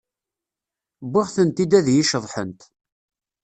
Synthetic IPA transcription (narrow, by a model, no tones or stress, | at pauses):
bɪʁθənt̪id̪æðjiʃəðˤħənt̪